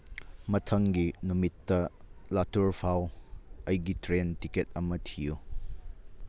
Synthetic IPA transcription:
mɐtʰɐŋɡinumitːɐlatuɾpʰawɐjɡitɾentiket̚ɐmɐtʰiju

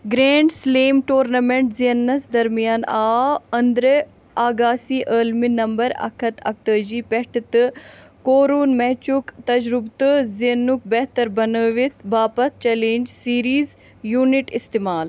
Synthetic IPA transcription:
ɡɾeːɳɖsleːmʈoːɾnɐmeɳʈziɐnːɐsd̪ɐɾmijaːnaːɐnd̪ɾə | aːɡaːsiːʔəːlminɐmbɐɾɐ̰kʰɐt̪ɐ̰k̚t̪əːd͡ʒiːpɛʈʰt̪koːɾuːnmɛt͡ʃukt̪ɐd͡ʒɾʊbt̪ɨzinːuk̚bɛɦt̪ɐɾbɐnəʋit̪baːpɐt̪̚t͡ʃɛlẽːnd͡ʒsiːɾiːz | juːniʈɪst̪emaːl

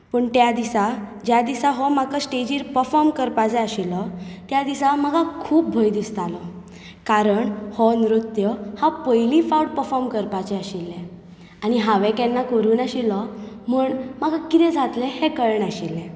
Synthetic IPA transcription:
pəɳt̪jad̪isad͡ʑjad̪isaɦɔmakəsʈed͡ʑiːɾpəɾfɔɾmkəɾpat͡sɛaɕilɔt̪jad̪isaməɡʱakʰuːp̚bʱɔjd̪ist̪alɔ | kaɾəɳhɔnɾut̪jɔhapəjlifauɽ̚pəɾfɔɾmkəɾpat͡ɕɛaɕilːɛ | aɽ̃iɦaʋɛkɛnːakəɾuːnaɕilɔ | m̤uːɳmaɡakit̪ɛ̃d͡zʱat̪lɛ̃hekəɾɳaɕilːɛ̃

